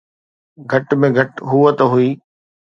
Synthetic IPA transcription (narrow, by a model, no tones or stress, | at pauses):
ɡʱɐʈmẽɡʱɐʈɦuːət̪ɦuiː